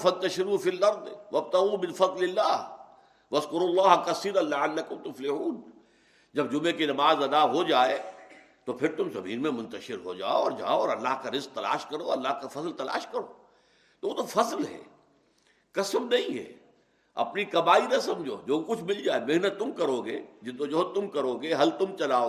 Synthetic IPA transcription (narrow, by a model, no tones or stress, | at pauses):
fɐ̃nt̪ɐʃɪɾuːfiːlːɐɾd̪ʋɐb̚t̪ɐɣuːmɪ̃nfɐd̪ˤlɪlːaːɦ | ʋɐzkʊɾuːlːaːɦkɐsiːɾɐnlɪʕalːɐkʊmt̪ʊflɪhuːn | d͡ʒɐbd͡ʒʊmẽkinɐmaːzɐd̪aɦod͡ʒaːe | t̪opʰɪɾt̪ʊmzɐ̰miːɾmẽmʊ̃nt̪əʃɪɾɦo̰d͡ʒa̰ːoɔːɾd͡ʒa̰ːoɔːɾɐlːaɦkaɾɪzk̚t̪ɐla̰ːʃkɐɾoɐlːaːɦkafɐzlt̪ɐla̰ːʃkɐɾo̰ː | t̪oʋoːt̪ofɐzlɦɛ̰ː | kɐsəmnɐɦĩɦɛ̰ː | ɐ̰pnikɐmaːinɐsɐ̃md͡ʒʱo̰ːd͡ʒoːkʊt͡ʃʰmɪld͡ʒaːemeɦnət̪ːʊmkɐɾoːɡḛːd͡ʒɪod͡ʒoɦt̪ːʊmkɐɾoːɡeɦɐlt̪ʊmt͡ʃɐlaːo